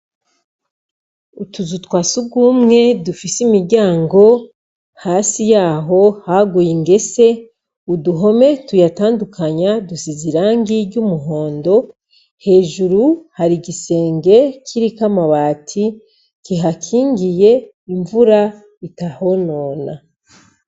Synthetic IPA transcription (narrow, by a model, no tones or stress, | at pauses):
utuzutwaːsuɡuːmŋe̞dufisimiɾɟaːŋɡo̞ | haːsijaːɦo̞haɡujiŋɡe̞se̞ | uduɦo̞me̞tujataːndukʰaɲadusiziɾaːŋɡiɾɟumuɦo̞ːndo̞ | he̞ːʒuɾuhaɾiɟise̞ːŋɡe̞cʰiɾikamaβaːtʰi | kiɦakʰiːŋɡije̞ | iɱvuɾa | itaho̞noːna